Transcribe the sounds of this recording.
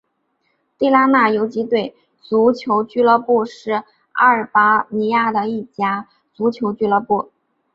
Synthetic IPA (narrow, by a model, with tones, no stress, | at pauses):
t̪i˥˩la˥ma˥˩jo˧˥ʊt͡ɕi˧˥t̪we˥˩ɪ | t͡su˧˥t͡ɕʰjo˧˥ʊt͡ɕy˥lɤ˥˧pu˥˧ʂɻ̩˥˩ | a̰˥˩ə˨˩pa˥ni˧˥ja˥˩d̪ə˨i˥˩t͡ɕja˥ | t͡su˧˥t͡ɕʰjo˧˥ʊt͡ɕy˥lɤ˥˧˥pu˥˩